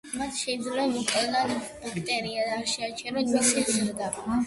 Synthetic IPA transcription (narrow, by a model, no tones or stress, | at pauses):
mat̪ʰʃɛid̪zlɛamuqʼlnad̪b̥ukʰt̪ʼɛɾiad̪aːʃɛat͡ʃʰɛɾaisizɾd̪ab